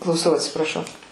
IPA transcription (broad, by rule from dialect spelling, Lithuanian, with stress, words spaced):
klˠɐʊˈsɐʊ ɐtʲsʲɪprɐˈʃɐʊ